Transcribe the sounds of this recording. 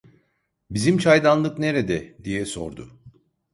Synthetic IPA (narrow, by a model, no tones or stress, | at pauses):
bizimt͡ʃʰajd̪anlˠɯkne̞ɾed̪ɛd̪ijɛso̞̰ɾd̪ʊ